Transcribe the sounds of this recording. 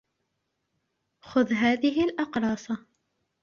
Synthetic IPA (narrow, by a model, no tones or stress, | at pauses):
xʊðɦaːðɪɦɪlʔɑqɾˤɑːsˤɑ